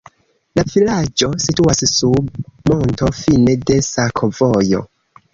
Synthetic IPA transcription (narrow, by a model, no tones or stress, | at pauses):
lavilad͡ʒo̞situassumo̞nto̞fine̞de̞sakʰovojo̞̰